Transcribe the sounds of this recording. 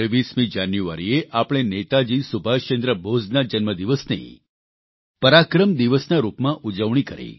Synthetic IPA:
ʋismĩd͡ʒanjuʋa̰ɾieʔapɽ̃enet̪ad͡ʒiːsubʱaʃt͡ʃẽnd̪ɾəbod͡znad͡ʒənməd̪iʋəsnḛ | pəɾakɾəmd̪iʋəsnaɾupmãʔud͡ʒəʋɳ̃ikəɾḛ

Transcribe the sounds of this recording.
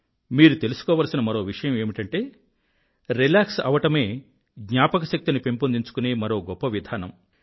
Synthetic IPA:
miːɾut̪e̞lusu̥kɔːʋaːlɐsinɐmɐɾo̞ːʋiʂɐjɐme̞ːmiʈɐɳʈe̞ː | ɾilaːksɐ̰ʋɐʈɐme̞ː | ɡɲaːpɐkɐʃɐk̚t̪inipe̞mpond̪iɲt͡ʃu̥kune̞ːmɐɾoːɡɔpːɐʋid̪ʱaːnɐm

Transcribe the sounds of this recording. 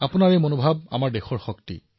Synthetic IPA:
apʊnaɹemonobʱab̚a̰maɹdɛxɔɹxɔktḭ

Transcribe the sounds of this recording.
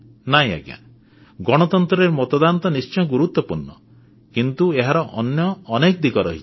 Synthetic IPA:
naj̃a̰ɡja̰ | ɡɔɽ̃ɔt̪ɔnt̪ɾɔɾeɾmɔt̪ɔd̪ant̪ɔnist͡ʃɔjɡuɾut̪wɔpuɾnːɔ | kint̪ueɦaɾɔʔɔnjɔːnekɔd̪iɡɔɾɔ̰ɦi̥

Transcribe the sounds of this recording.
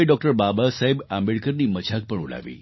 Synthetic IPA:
eɖɔk̚ʈəɾbabasaɦebambeɭkəɾniːməd͡ʒʱak̚pəɳuɽa̰ʋḭː

